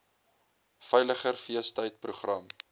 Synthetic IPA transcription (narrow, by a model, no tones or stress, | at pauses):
fɛjləχərfiəstəjt̚pruχrɐm